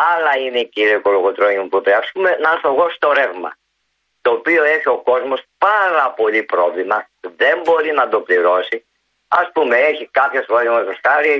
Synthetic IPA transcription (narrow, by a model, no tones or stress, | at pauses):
ɐlɐineiciɾioko̞loɣot̪ɾoɲimupuepɾɐsume̞nɐθoɣosi̥t̪o̞ɾe̞vmɐ̰ | t̪o̞ːpio̞e̞çio̞ko̞zmo̞spɐɾɐpo̞ʎipɾo̞vlimɐ | ðe̞mbo̞ɾinɐt̪o̞pliɾo̞si | ɐspumeeçikɐpçesfoɾezmɐt̪osxɐɾi